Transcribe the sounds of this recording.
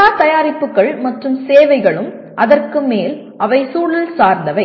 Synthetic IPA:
aːt̪ɐjaːɾɪpːɯkːɐɭmɐʈrɯmseːʋɐɪɣɐɭɯm | ʔɐðɐrkɯmeːl | ʔɐʋɐɪsuːɭɪlsaːɾnd̪ɐʋɐɪ

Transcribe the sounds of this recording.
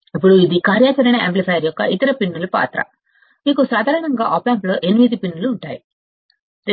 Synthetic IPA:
ɐpːuɽuid̪ikaːɾjaːt͡ʃɐɾɐnɐḛmplifɐjɐɾjɔkːɐ̰ʔit̪ɐɾɐpinːulupa̰ːt̪ɾɐ̰ | miːkusaːd̪ʱaːɾɐɳɐŋɡaːʔɔːpaːmplo̞ːʔe̞nimid̪ipinːuluːɳʈaːji

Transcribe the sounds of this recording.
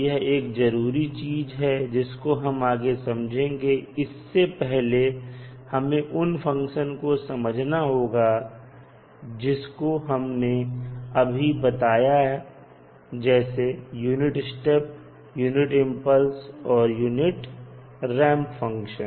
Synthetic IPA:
jɛɦeːkzɐɾuːɾit͡ʃiːzɦɛd͡ʒɪskoɦɐmaːɡesɐmd͡ʒʱẽːŋɡeɪsːepɛɦle | hɐmẽʔʊnfɐ̃ŋkʃənkosɐməd͡ʒʱnaɦoːɡa | d͡ʒɪskoɦɐmneɐbʱibɐt̪aːjaɦɛ | d͡ʒɛːsejuːnɪʈsʈep̚ | juːnɪʈɪ̃mpəlsɔːɾjuːnɪʈ | ɾɛ̃ːmpfɐ̃ŋkʃə̃n

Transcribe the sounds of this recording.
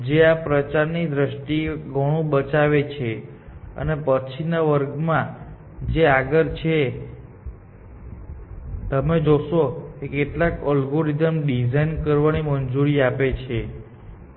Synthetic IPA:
d͡ʒeapɾət͡ʃaɾnid̪ɾəʃʈiɡʱəɽ̃ũbət͡ʃaʋet͡ʃʰe | ə̰nepət͡ʃʰinaʋəɾɡmã | d͡ʒeaɡəɾt͡ʃʰe | t̪əmed͡ʒoʃokekeʈlakɔlɡoɾizəmɖizainkəɾʋanimənd͡ʒuɾiapet͡ʃʰe

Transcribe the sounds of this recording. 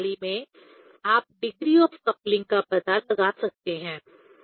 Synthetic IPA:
limẽ | aːp̚ɖɪɡɾiɔːfkɐplɪ̃ŋɡ̚kabɐd̪alɐɡaːsɐk̚t̪eɦɛ̃ː

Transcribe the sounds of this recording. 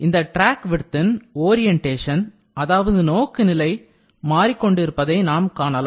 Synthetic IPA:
ɪnd̪ɐʈɾaːkʋɪɽɯt̪ːɪnoːɾɪjɛɳʈeːʂɐn | ɐðaːʋɐðɯnoːkːɯnɪlɐɪ | maːɾikːɔɳɖɪɾɯpːɐðɐɪnaːmkaːɳɐla

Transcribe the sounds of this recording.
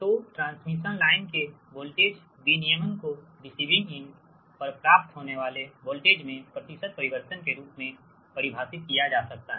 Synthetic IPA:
t̪oʈɾãːnsmiʃənlaːɪnke | boːlʈeːd͡ʒ | binijəmənko | ɖɪsiːbɪ̃ŋɪn | pɐɾpɾaːp̚t̪ɦoːneʋaːleboːlʈeːd͡ʒmẽpɾət̪ɪʃəd̪̚pɐɾɪʋəɾt̪ənkeɾuːpmẽ | pɐɾɪbʱaːsɪt̪̚kijad͡ʒaːsɐk̚t̪aɦɛɛ

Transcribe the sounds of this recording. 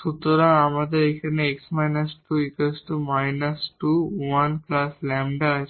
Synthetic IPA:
sut̪uɾaɐmɐd̪ɐikɐɾneeksmɐjnɐsʈuːikɐsʈumɐjnɐsʈuːʋɐnklaːslɛmɖa

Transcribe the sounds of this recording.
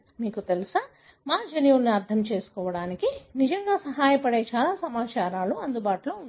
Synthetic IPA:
miːkut̪elusɐ | maːd͡ʒɐnijulniɐɾd̪ʱʰɐmt͡ʃe̞ːsu̥kɔːʋɐɽaːnikinid͡ʒɐŋɡaːsɐɦaːjɐpɐɽeːt͡ʃaːlaːsɐmaːt͡ʃaːɾaːluɐnd̪ubaːʈuloːund̪

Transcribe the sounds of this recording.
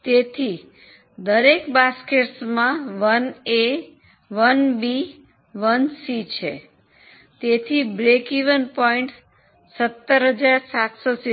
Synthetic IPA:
t̪et̪ʰi | d̪əɾekbaskeʈsmãʋəne | ʋənbi | ʋənsit͡ʃʰḛ | t̪et̪ʰibɾekiʋənpɔiɳʈ | sət̪ːəɾɦəd͡ʒaɾsat̪sosi

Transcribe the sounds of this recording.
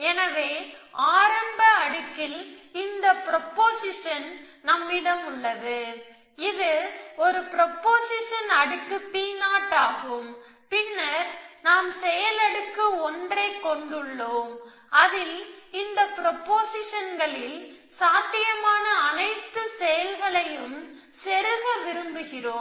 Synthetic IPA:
ɛnɐʋeːaːɾɐmbɐɐɽɯkːɪlɪnd̪ɐpɪɾɔpːoːsɪʂɐn | nɐmːɪɽɐmʊɭːɐðɯ | ɪðɯɔɾɯpɪɾɔpːoːsɪʂɐnɐɽɯkːɯpːiːnaːʈːaːɣɯm | pɪnːɐɾnaːmsɛjɐlɐɽɯkːɯɔndrɐɪkːɔɳɖɯɭːoːm | ɐðɪlɪnd̪ɐpɪɾɔpːoːsɪʂɐnɡɐɭɪl | saːt̪ːɪjɐmaːnɐːnɐɪt̪ːɯsɛjɐlɣɐɭɐjɯm | sɛɾɯʋɐʋɪɾɯmbɯɣɪroː

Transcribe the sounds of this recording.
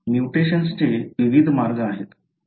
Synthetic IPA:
mjuʈeɕənst͡ɕeʋiʋid̪ʱmaɾɡəaɦet̪

